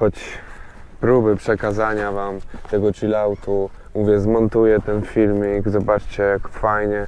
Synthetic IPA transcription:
xɔt͡ɕ | pɾubɘpʂɛkazaɲavamt̪ɛɡɔtilawt̪u | muvʲjɛzmɔnt̪ujɛt̪ɛnfʲilmʲiɡzɔbat͡ʂt͡ɕɛjakfajɲɛ

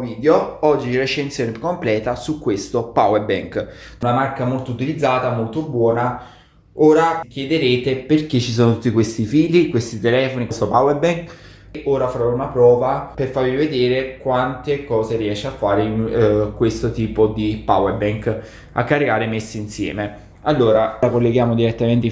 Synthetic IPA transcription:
viːd̪eoɔd͡ʒːiret͡ʃːensjoːnepukːomplɛːt̪asukːwest̪opawebɛŋk̪namarkamolt̪out̪ilid̪zːaːt̪amolt̪obwɔːna | oːɾak̟jed̪eɾeːt̪eperk̟et͡ʃːis̬oːnot̪u̥t̪ːikwest̪ifiːlikwest̪it̪elɛːfonikest̪opawerbɛŋk | ʔoːɾafaɾɔunapɾɔːvaperfaɾvived̪eːɾekwant̪ekɔːzeriɛʃːeafːaːɾeinkwest̪ot̪iːpod̪ipa̰webɛŋk | a̰kːarikaːɾemesːiinsjɛ̰ːme | alːoːɾaɾakolːeɡjaːmod̪iɾet̪ːament̪̬e

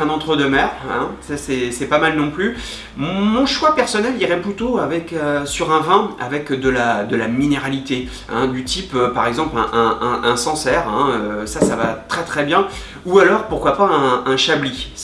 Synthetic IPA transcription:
ɛ̃nɑ̃t̪χəd̪əmɛːʁɛ̃sasɛsɛpamalnɔ̃ply | mɔ̃ʃwapɛʁsɔnɛliʁɛplyt̪oavɛkøsyʁɛ̃vɛ̃a̰vɛkd̪əlad̪əlamineʁalit̪e | ɛ̰̃d̪yt̪ʰipøpaʁɛɡzɑ̃plɛ̃ʔɛ̃ʔʔɛ̃sɑ̃sɛʁɛ̃øsasavat̪χɛt̪χɛbjɛ̃ | ualɔʁpuʁkwapaɛ̃ɛ̃ʃabli

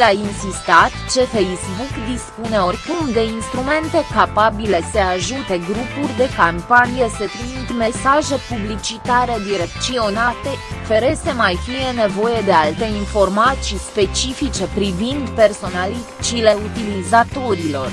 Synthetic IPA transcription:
lainsist̪at̪t͡ʃe̞fejsbukd̪ispune̞o̞rʲkɨnd̪einst̪ɾume̞nt̪e̞kapabile̞se̞aʒut̪e̞ɡɾupurʲd̪e̞kampanijese̞t̪ɾimit̪me̞saʒe̞publit͡ʃit̪aɾe̞d̪iɾe̞kt̪sio̞nat̪e̞feɾe̞semajfije̞ne̞vo̞je̞d̪e̞alt̪e̞info̞rmat̪sispe̞t͡ʃifit͡ʃe̞pɾivind̪pe̞rso̞nalit͡ʃile̞ut̪ilizat̪o̞ɾilo̞r

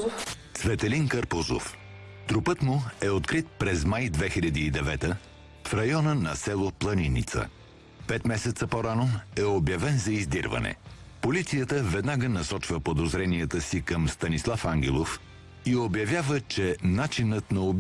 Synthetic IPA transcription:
t̪svɛt̪ɛlinkəɾpozo̰f | t̪ɾupət̪muɛot̪kɾit̪̚pɾɛzmajd̪vɛxilʲɐd̪iːd̪ɛvɛt̪ə | fɾɐjɔnənɐsɛlˠoplˠɐninit̪sə̰ | pɛt̪mɛsɛt̪səpoɾanoɛobjɐvɛnzɐizd̪iɾvɐ̰nɛ̰ | polit̪sijət̪əvɛd̪naɡənɐsɔt͡ʃvəpod̪ozɾɛniət̪əsikɐmst̪ɐnislˠafaŋɡʲɛlˠof | iobjɐvjavət͡ʃɛnat͡ʃinət̪nɐo

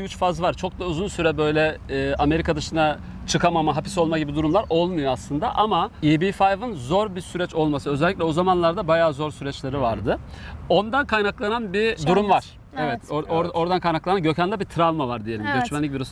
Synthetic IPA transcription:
yt͡ʃfazvaɾt͡ʃʰo̞k̚d̪auzunsyɾɛbø̞jlʲɛɛːʔame̞ɾikʰad̪ɯʃɯna | t͡ʃʰɯkʰamamaɦapi̥so̞lˠmaɟibid̪uɾumlˠaɾʔo̞lˠmujoaslˠɯnd̪aʔamaibifajvɯnzo̞ɾbiɾsyɾɛt͡ʃo̞lˠmasɯø̞zɛlʲːiclʲɛo̞zamanlˠaɾd̪abajaːzo̞ɾsyɾɛt͡ʃlʲeɾivaɾd̪ɯ | o̞nd̪ankʰajnaklˠananbid̪uɾumvaɾ̥ | evɛt̪ʰooɾo̞ɾd̪ankʰajnaklˠananɟø̞cʰand̪ʲɛbit̪ʰɾalˠmavaɾd̪ije̞lʲimɟø̞t͡ʃmænlʲic̬̚ʲbiɾus

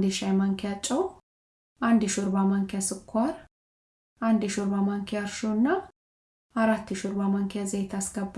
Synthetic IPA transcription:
d̪ɪʃɐjmɐŋkɪjɐt͡ʃʼːɐw | ɐnd̪ɪʃʊɾbamɐŋkɪjɐsʊkʰːʊaɾ | ɐnd̪ɪʃʊɾbamɐŋkɪjaɾʃonːɐ | ɐɾɐt̪ːɪʃʊɾbamɐŋkɪjazɛjt̪ɐsɡɐbː

